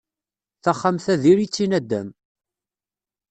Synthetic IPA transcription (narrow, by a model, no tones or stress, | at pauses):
θaχːamθæðiɾit͡sːinæd̪ːæ̰m